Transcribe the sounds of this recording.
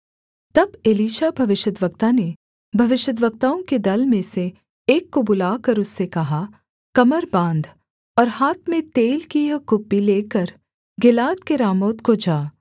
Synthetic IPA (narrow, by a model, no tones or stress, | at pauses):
t̪ɐbeliːʃabʱɐʋɪʃəd̪ʋɐɡ̚t̪ane | bʱɐʋɪʃəd̪ʋək̚t̪aːõked̪ɐlmẽse | eːkːobʊlaːkɐɾʊsːekɐɦa | kɐməɾbãːnd̪ʱ | ɔːɾhaːt̪ʰmẽt̪eːlkijakʊpːileːkəɾ | ɡɪlaːt̪keɾaːmoːt̪kod͡ʒaː